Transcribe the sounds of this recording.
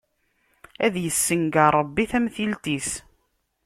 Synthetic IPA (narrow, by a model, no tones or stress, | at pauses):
æðjəsːəŋɡəɾˤəbːiθæmθilt̪is